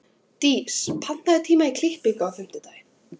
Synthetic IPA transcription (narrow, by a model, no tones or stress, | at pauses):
t̪iːspʰan̥t̪aðɪt̪ʰiːmaikʰlɪhpɪkawθʏm̥t̪ɪt̪aːj